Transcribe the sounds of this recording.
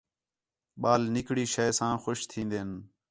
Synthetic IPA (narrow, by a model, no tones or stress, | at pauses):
ɓaːlnɪkɽiːʃəːsãːxʊʃt̪ʰĩːnd̪eːn